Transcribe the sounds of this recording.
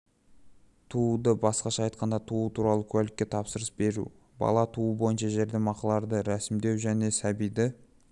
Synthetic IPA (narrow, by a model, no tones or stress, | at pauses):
t̪ʰud̪əbɑsqɑʃɑːjt̪̚qɑnd̪ɑt̪ʰuət̪ʰuɾɑlˠəkʲʰɵlɪkʲːe̞t̪ʰɑpsəɾəsbe̞ɾṵ | bɑ̰lˠɑt̪ʰuəbo̞jənʃɑʒe̞ɾd̪emɑqɑlˠɑɾd̪əɾæsɪmd̪e̞wʒæne̞sæbijd̪ɪ